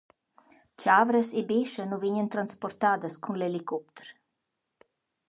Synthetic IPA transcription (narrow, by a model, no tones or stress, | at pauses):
caːvɾəsibeʃənuviɲənt̪ɾanspɔɾt̪aːd̪əskʰunlelikʰɔp̚t̪ʰə̥ɾ